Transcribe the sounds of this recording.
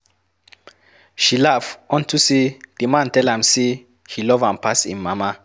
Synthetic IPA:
ʃilafɔ̃ntʰused̥əmãntɛlãmse | hilɔvãmpasḭ̃nmama

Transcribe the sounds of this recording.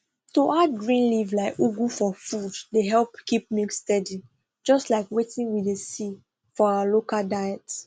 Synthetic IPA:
toʔad̚ɡɹĩnlivlaɪkuɡufɔfuddeɦɛlpkip̚mikstɛdi | d͡ʒɔstlaɪkwetĩnwidesi | fɔawalokaldajɛt

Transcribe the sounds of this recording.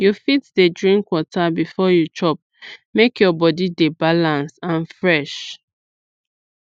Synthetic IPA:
jufitdedɹĩŋkwɔtabifɔjut͡ʃɔp̚mekjɔbɔdidebalãnsãnfɹɛʃ

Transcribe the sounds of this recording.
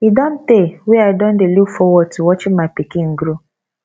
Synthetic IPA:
idɔn̩tewɛaɪdõn̩delukfɔwɔd̚tuwɔt͡ʃɪmaɪpikɪ̃ŋ̩ɡɾu

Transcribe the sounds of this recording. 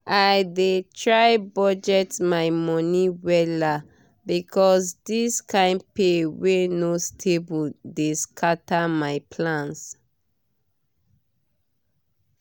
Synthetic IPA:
ajdetʰɹajbɔd͡ʒɛtmajmɔniwɛla | bikʰɔsdiskãɪ̃npewenostʰebuldeskʰatamaɪpʰlãns

